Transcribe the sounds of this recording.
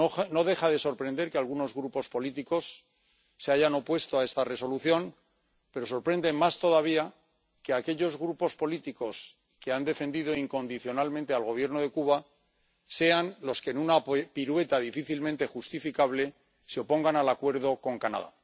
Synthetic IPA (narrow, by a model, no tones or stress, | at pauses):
ono̞ðe̞χaðe̞so̞ɾpɾe̞nd̪e̞ɾkealɣ̞uno̞zɣɾupo̞spo̞lit̪iko̞sː | eaʝano̞pwe̞st̪oae̞st̪are̞so̞luθjo̞n | pe̞ɾo̞so̞ɾpɾe̞nd̪e̞mast̪o̞ðaβ̞ia | ke̞ake̞ʎo̞zɣɾupo̞spo̞lit̪iko̞s | ke̞and̪e̞fe̞nd̪ið̞o̞iŋko̞nd̪iθjo̞nalmẽnt̪ealɣ̞o̞β̞je̞ɾno̞ðe̞kuβ̞a | se̞anlo̞skenunapiɾwe̞t̪aðifiθilmẽnt̪e̞xust̪ifikaβ̞le̞ | seo̞po̞ŋɡanalakwe̞ɾð̞o̞ko̞ŋkana̰ða̰